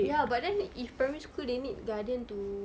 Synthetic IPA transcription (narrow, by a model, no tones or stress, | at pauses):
jabadanifpəmĩskʰudenĩtɡadiə̃nt̪u